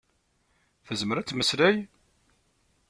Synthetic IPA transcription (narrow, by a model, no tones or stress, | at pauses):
θəzməɾæt͡sːməslæj